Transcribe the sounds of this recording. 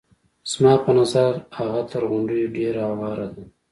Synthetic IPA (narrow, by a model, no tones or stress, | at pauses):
z̥mɑːpənazaɾaɣat̪əɾɣʊɳɖujoɖeːɾaawɑːɾad̪a